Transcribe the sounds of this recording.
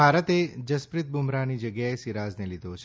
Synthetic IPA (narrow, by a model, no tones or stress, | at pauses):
aɾət̪ed͡ʒəspɾɪt̪̚bʱumɾanid͡ʒəɡjaesiɾaznelid̪ʱot͡ʃʰ